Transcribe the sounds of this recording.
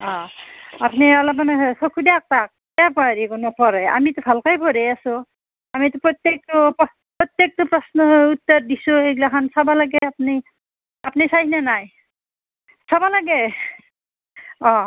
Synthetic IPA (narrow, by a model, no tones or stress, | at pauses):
ɔ̃apnialɔmanesokʰudak̚tak̚ | ɛapɔaɾikunɔpɔɾeja̰mitʊbʱalkajpʰɔɾɛjasu | amitʊpɹɔt̪jek̚tɔpɔ | pɹɔt̪jek̚tɔpɹɔsnɔut̪ːɔɾdisueɡlakʰansabalaɡɛap̚ni | apnisaɦinanaj | sɔbalaɡɛ | ɔ̃